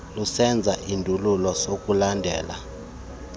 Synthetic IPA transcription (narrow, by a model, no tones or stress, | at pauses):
lusɛnd͡zʱaʔindʱululɔsok̬ʼulandʱɛ̰ːla̰